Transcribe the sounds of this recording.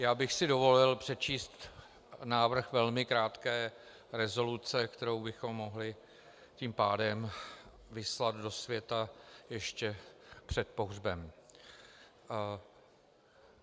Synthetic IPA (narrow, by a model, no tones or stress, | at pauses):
jaːbɪxsɪdo̞vo̞lɪlpr̝̥ɛt͡ʃiːst̪ | naːvr̩xvɛlmɪkɾaːt̪kɛː | ɾɛzo̞lut͡sɛkt̪ɛɾo̞wbɪxo̞mːo̞ɦlɪ | ciːmpaːdɛm | vɪslad̪do̞svjɛt̪ajɛʃcɛpr̝̥ɛt̪̚po̞ɦrbɛm